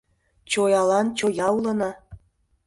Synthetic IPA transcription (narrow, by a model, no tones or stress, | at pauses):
t͡ɕojɑlɑnt͡ɕojɑulɤnɑ